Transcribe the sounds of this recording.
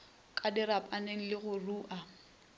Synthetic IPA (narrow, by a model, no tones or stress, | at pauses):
kʼadɪɾapʼaneŋ̩lɪɣʊruːʔa